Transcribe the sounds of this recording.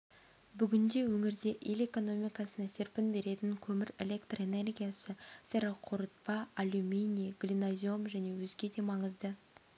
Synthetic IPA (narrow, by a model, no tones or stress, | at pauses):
bʏɡʲɪnd̪e̞wɵŋɪɾd̪e̞ʔe̞le̞ko̞no̞mʲijkɑsənɑse̞ɾpɪnbe̞ɾe̞t̪ɪŋkʲʰɵmɪɾe̞le̞kt̪re̞ne̞rɡʲijasəfʲe̞ɾoqʰʊɾət̪̚pɑːlʲumʲijnʲijɡ̥lʲinazʲomʒæne̞wɵzɡʲe̞d̪e̞mɑɴəzd̪ə